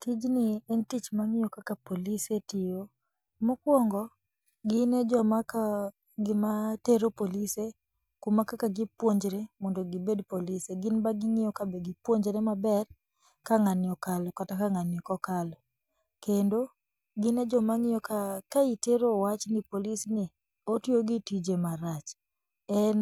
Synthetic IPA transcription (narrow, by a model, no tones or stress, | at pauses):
tid͡ʒnɪɛntit͡ʃmaŋɪjokakapolisetɪjo | mokwɔŋɡɔ | ɡɪnɛd͡ʒɔmaka | ɡɪmateɾopolise | kumakakaɡɪpwoɲd͡ʒɾemondoɡɪbedpoliseɡɪnbaɡɪŋɪjɔkabɛɡɪpwoɲd͡ʒɾɛmabɛr | kaŋanjɔkalɔkatakaŋanjɔkɔkalɔ | kendo | ɡɪnɛd͡ʒɔmaŋɪjɔkakaiteɾowat͡ʃnɪpolisnɪ | otjoɡitid͡ʒemaɾat͡ʃ | ɛn